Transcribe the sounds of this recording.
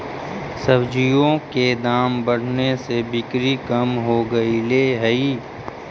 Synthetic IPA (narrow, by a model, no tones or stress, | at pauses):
səbd͡ʒijõked̪aːmbəɽ̤nesebɪkɾikəmɦoɡɐileːɦəiː